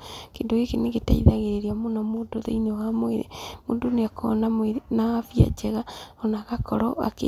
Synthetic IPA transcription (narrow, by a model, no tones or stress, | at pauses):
kḛːndoɣekeneɣeta̰ḭðaɣeɾeɾeamonamoːndoðḛinewamwḛɾḛmoːndoneakʰɔ̰namwenaafia̰t͡ʃɛɣaɔnaɣakɔɾɔʔa̰kḛ